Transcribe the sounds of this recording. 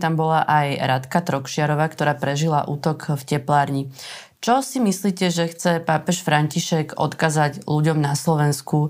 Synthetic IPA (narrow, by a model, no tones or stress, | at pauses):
t̪ambɔlaʔajɾat̪kat̪ɾɔkʃɪaɾɔʋaːkt̪ɔɾaːpɾɛʒilaʔuːt̪ɔkfcɛplaːɾɲi | t͡ʃɔsimisliːcɛʒɛxt͡sɛpapɛʃfɾaɲciʃɛɡɔ̰t̪kazaɟluɟɔmnaslɔʋɛnsku